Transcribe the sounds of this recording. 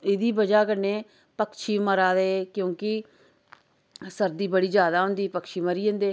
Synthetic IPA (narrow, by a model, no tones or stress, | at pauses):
ɪd̪iːbəd͡ʒaːkəneː | pəkʃiːməɾaːd̪eːkjõːkɪ | səɾd̪iːbəɽiːd͡ʒjaːd̪aːɦʊ̃nd̪iːpəkʃiːməɾiːɦõːnd̪eː